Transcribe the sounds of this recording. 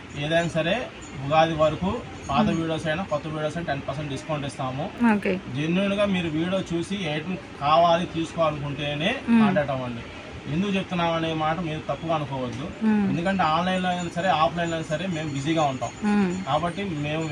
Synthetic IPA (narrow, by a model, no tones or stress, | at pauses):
eːd̪ɐjnɐsɐɾe̞ː | buɡaːd̪iʋɐɾɐku | paːt̪ɐʋiːɽo̞ːsɐjnaːkɔt̪ːɐʋiːɽoːsɐjnʈenpɐɾs̬eɳʈɖiskɐːɳʈist̪aːmuoːked͡ʒenːuːnuɡaːmiːɾuʋiːɽo̞ːt͡ʃuːsiejʈɐm | kaːʋaːlit̪iːsu̥kɔɐnukuɳʈe̞ːneːmaːʈlaːɽɐʈɐmɐɳɖi | end̪ukut͡ʃe̞but̪unːaːmɐneːmaːʈɐmiːɾut̪ɐkːuʋaːɐnukɔːʋɐd̪ːuend̪ukɐɳʈeaːnlɐjnloːɐjnɐsɐɾe̞ːaːpʰlɐjnlɐjnɐsɐɾe̞ːme̞ːmbid͡ʒiːɡaːuɳʈa̰ːmkaːbɐʈːime̞ːmu